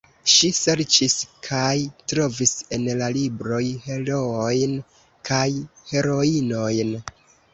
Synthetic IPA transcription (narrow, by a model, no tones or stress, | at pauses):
ʃise̞ɾt͡ʃiskʰajtɾo̞vise̞nlalibɾo̞jhe̞ɾo̞ojn | kʰajhe̞ɾo̞ino̞jn